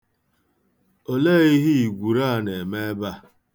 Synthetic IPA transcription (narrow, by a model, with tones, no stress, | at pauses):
o˨leː˦i˦ɦi˦i˨ɡʷu˨ɾa˦˨ne˨me˦ba˦